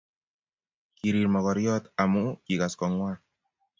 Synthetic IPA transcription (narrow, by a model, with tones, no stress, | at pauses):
ki˨ɾi˨ɾmɔ˨kɔ˨ɾjɔ˦t̪a˨mu˦ki˨ka˨skɔ˨ŋwaː˦